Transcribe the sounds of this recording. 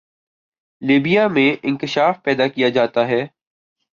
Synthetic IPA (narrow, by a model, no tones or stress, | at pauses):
liːbijamẽʔɪ̃nkɪʃaːfpɛːd̪akijad͡ʒaːt̪aɦɛː